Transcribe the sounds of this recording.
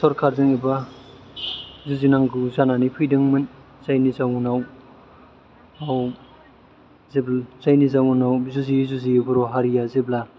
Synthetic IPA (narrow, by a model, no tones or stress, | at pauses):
sɔɾkʰaɾzɯŋiba | zuzinaŋɡɯzananipʰɯjdɯŋmɯnz̥ajnizawunaw | aw | zeblz̥ajnizawunawzuzizuzibuɾɔɦaɾijazebla